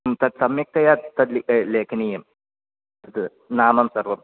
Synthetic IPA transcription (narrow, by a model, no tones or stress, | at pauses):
mt̪ɐd̪sɐmjɐk̚t̪ɐjaːt̪̚t̪ːɐd̪likleːkʰnijɐm | t̪ɐd̪ | naːmɐmsɐɾʋɐm